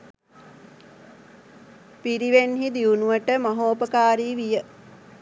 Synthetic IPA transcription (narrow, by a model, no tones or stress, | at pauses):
piɾiʋenɦid̪iunuʋəʈəmɐɦoːpəkaːɾiːʋijə